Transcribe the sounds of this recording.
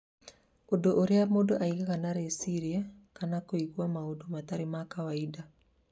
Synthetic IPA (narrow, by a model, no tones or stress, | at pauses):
odoʔoɾeamodoʔaiɣaɣanaɾesiɾiakanakoiɣwamaodomataɾemakawaida